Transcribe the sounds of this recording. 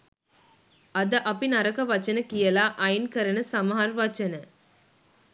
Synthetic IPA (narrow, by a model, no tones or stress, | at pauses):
ɐd̪ɐʔɐpːinɐɾɐkɐʋɐt͡ʃːɐnɐkijɐlaːʔɐɪnkɐɾɐnɐsɐmɦaːɾʋɐt͡ʃːɐnɐ